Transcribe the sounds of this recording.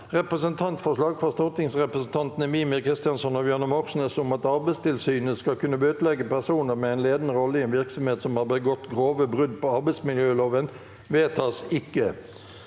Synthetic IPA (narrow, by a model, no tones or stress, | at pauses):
ʁɛpʁəsənt̪ʰɑnt̪fɔʂlɑːɡfɔʁst̪ɔt̪ɪŋsʁɛpʁəsn̩t̪ʰɑnt̪nəmiːmɪkʰʁɪst̪ɪɑnsɔnɔbjønəmɔʁʃn̩əsʊmɑt̪ɑʁbæɪst̪ɪlsyːnəskɑlkʉnːəbøːt̪lɛɡəpæʁsuːnəɾmɛæɪnleːd̪n̩əɾɔlːəiɛːnʋɪʁksɔmheːt̪sɔmhɑʁbəɡɔt̪ɡʁoːʋəbʁʉd̪pʰɔɑɾbæɪsmɪljøːloːʋən | ʋeːt̪ʰɑːsɪkːə